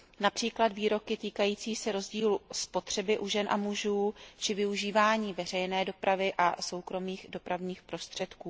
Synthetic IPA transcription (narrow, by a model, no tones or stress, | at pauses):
napr̝̥iːkladviːɾo̞kɪt̪iːkajiːt͡siːsɛɾo̞zɟiːluspo̞t̪r̝̥ɛbɪʔuʒɛnʔa̰muʒuːt͡ʃɪvɪuʒiːvaːɲiːvɛr̝ɛjnɛːdo̞pɾʔavɪʔaso̞wkɾo̞miːɣdo̞pɾavɲiːxpɾo̞st̪r̝̥ɛt̪kuː